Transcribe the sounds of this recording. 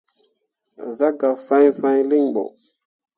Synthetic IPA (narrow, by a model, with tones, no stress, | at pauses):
za˦ɡa˨fã˦jfã˦jli˦ŋbɔ̰˨